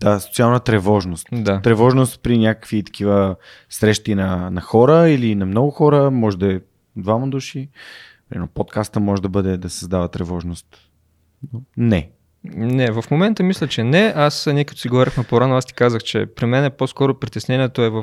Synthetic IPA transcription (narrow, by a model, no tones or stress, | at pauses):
d̪̥aso̥t̪sialˠnət̪ɾɛvɔʒnost̪d̪at̪ɾɛvɔʒnost̪̚pɾinʲakə̥kvit̪ɐ̥kʰivə | sɾɛʃt̪inɐnɐxɔɾəilinɐmnɔɡʊxɔɾəmɔʒɛd̪ɐɛ | d̪vaməd̪uʃi | pɛɛ̰nɔpot̪kast̪əmɔʒɛd̪ɐbɤd̪ɛd̪ɐsɐzd̪avət̪ɾɛvɔʒnost̪ | nonɛ | nɛvɐfmomɛnt̪əmislʲət͡ʃɛnɛʔasnʲiɛkə̥t̪o̥siɡovɔɾʲəxnɐpoɾanoast̪i̥kazəxt͡ʃɛ̰pɾimɛnɛposkɔɾopɾit̪ɛsnɛniɛt̪oɛvɐf